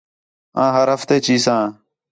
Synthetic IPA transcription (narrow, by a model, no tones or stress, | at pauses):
ãːɦəɾɦəft̪eːt͡ʃiːsãː